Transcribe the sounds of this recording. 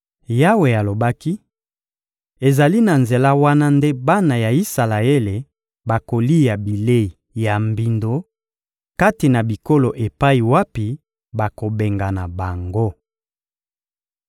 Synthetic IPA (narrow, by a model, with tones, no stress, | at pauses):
ja˦we˨a˨lo˨ba˦ki˦ | e˨za˨li˦na˨nze˨la˦wa˦na˦nde˦ba˦na˨ja˨i˦sa˨la˨e˦le˨ | ba˨ko˨li˦ja˨bi˨le˦i˨ | ja˨mbi˨ndo˨ | ka˦ti˨na˨bi˨ko˦lo˨ʔe˨pa˦i˨wa˦pi˨ | ba˨ko˨be˨ŋɡa˨na˨ba˨ŋɡo˦